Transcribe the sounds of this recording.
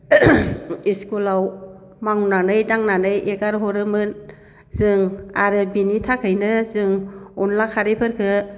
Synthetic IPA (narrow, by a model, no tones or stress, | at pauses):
iskulaw | maŋunanɯjdaŋnanɯjʔeɡaɾɦɔɾɯmɯn | zɯŋaɾɯbinitʰakʰɯjnɯzɯŋɔnlakʰaɾepʰɯɾkʰɯ